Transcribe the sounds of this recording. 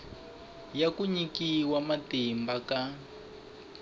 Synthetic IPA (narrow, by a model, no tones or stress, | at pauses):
jakuɲikiwamatimbaka